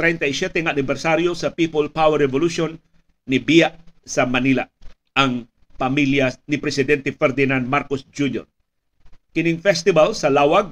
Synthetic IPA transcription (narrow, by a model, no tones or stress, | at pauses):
t̪ɾɛjnt̪ɐisjɛt̪ɛŋaanɪbɛɾsaɾjosɐpipolpawɛɾɛvoluʃonː | ɪbijaʔsɐmɐnila | ʔɐŋ | pɐmiljanɪpɾɛsɪd̪ɛnt̪ɛfɛɾd̪ɪnand̪̚maɾkosd͡ʒunjo̰ɾ | kɪnɪŋfɛst̪ɪbalsɐlawaɡ̚